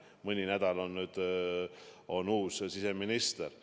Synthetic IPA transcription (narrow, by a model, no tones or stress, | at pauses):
mɤnʲinæd̪̥ɑlonːyːd̪̥ | o̞nuːssiseminist̪er